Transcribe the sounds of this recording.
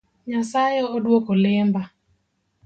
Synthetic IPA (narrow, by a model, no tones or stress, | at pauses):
ɲasajeodwokolɪmba